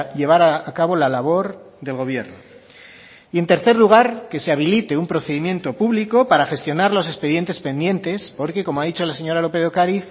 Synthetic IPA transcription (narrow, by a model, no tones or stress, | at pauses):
ʎe̞β̞aɾaakaβo̞lalaβ̞o̞ɾ | ðe̞lɣ̞o̞β̞je̞ɾno | ie̞nt̪e̞ɾθe̞ɾluɣ̞aɾke̞seaβ̞ilit̪e̞umpɾo̞θe̞ðimje̞nt̪o̞puβliko̞paɾaχe̞st̪jo̞naɾlo̞s̬e̞speðje̞nt̪e̞spe̞nd̪je̞nt̪e̞spo̞ɾke̞ko̞moaðit͡ʃo̞lase̞ɲo̞ɾalo̞pe̞ðo̞kaɾiθ